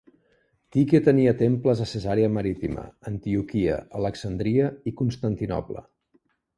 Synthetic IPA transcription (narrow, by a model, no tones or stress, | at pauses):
t̪iket̪əniət̪empləzəsəzaɾiəməɾit̪imə̰ənt̪iukiə̰ələksənd̪ɾiəikunst̪ənt̪inɔ̰plə̰